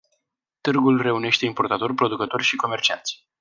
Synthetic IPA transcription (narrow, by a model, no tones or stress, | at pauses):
t̪ɨrɡulre̞une̞ʃt̪e̞impo̞rt̪at̪o̞rʲpɾo̞d̪ukət̪o̞rʲʃiko̞me̞rt͡ʃia̰nt̪sʲ